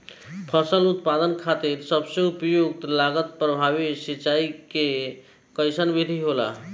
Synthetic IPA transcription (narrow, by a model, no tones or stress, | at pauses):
pʰəsəlut̪pad̪ənkʰat̪iɾsəbsẽupjoɡ̚t̪laɡət̪pɾəbʱaβisit͡ʃaike | kəjsənbid̪ʱiɦola̰